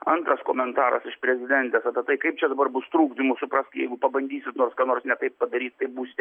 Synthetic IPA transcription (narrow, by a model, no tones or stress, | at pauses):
ɐnt̪ɾɐskoːmʲɛnt̪ɑːɾɐ̰sɪʃpʲɾʲɛzʲɪd̪ʲɛnʲt̪ʲɛsɐpʲɛt̪ɐɪkɐɪp̚t͡ʃʲɛd̪ɐbɐrbʊst̪ɾuːɡd̪ʲɪmʊsʊpɾɑsʲtʲkʲjɛ̰ɪɡʊpɐbɐnʲd̪ʲiːsʲɪt̪noːrskɐnoːrsnʲɛt̪ɐɪppɐd̪ɐɾʲiːt̪t̪ɐɪbuːsʲɪt̪ʲ